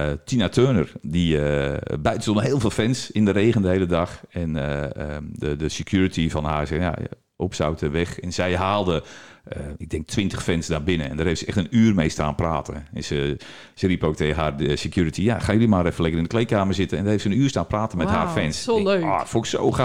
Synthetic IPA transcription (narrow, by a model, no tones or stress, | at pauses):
tʰinatʰøːnərdiəbœɥtəsoənɦeːlˠveːlˠfɛnsɪndəɾeːɣəndəhejlədɑxɛnə | ədəsekjuɹətʰifɔnhaːrsɛja̰ | opsa̰wtəʋɛxɛnsɛjɦaːlˠdə | ɪɡ̚dɛŋk̚tʰʋɪntə̥xfɛnsdaːbɪnəɛ̰ndərheɪftsəɛxtənyːrmejstaːnpraːtəɛnsə | səripoːk̚tehaːrsekjuɹətijaxaːnjolimarɛfəlɪkəɪndəklejkaːmərzɪtənɛndərheftsənyːrstaːnpraːtənmɛtha̰ːfɛnsofoɪkso̰wx